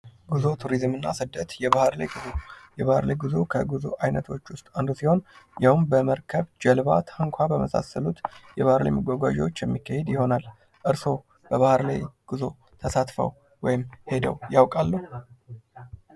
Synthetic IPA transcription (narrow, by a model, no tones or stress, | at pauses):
ɡuzo̞t̪ʰuɾizmɨnːa̰sɨd̪ːət̪jɛβahɾla̰jɡɨzojɛβahɨɾla̰jɡɨzokʰəɡuzo̰ʔajnət̪ʰwo̞t͡ʃːwʊst̪ʼand̪usiho̞njawmbəməɾkʰəβd͡ʒɛlβa̰t̪ʰɨŋkʷʰabəməsa̰səlut̪jɛβahɨɾla̰jməɡʷaɡʷaʒɛwot͡ʃːjɛmːikːahe̞d̪jɪho̞nal | ʔɨɾso̞ | b̥əβahɾla̰jɡ̥ɨzo̞̰ | t̪ʰəsat̪fə̰w | wɔjɪmhe̞d̪ə̰wjawkʼalːuh